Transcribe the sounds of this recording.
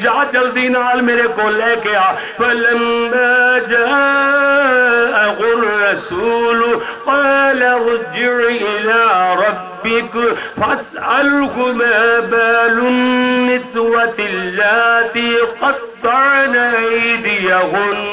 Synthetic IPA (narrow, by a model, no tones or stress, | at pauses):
d͡ʒaʕat͡ʃɐlt̪iːnaalmeːɾekolɛkeja | fɐlɐmːaːd͡ʒa | ʔaɣʊːɑsuːlʊqɑːlaɾd͡ʒɪɾʔɪlaːɾˤɑbːɪkfas | ʔalkʊmaːbaːlʊnːɪswat̪lːat̪iːqɑt̪ːɑʕnaʔajd̪ɪjaɦʊn